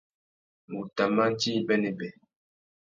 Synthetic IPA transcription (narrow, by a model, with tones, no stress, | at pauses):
ŋu˨ta˨ma˦n˦t͡ʃi˦bɛ˦ne˨bɛ˨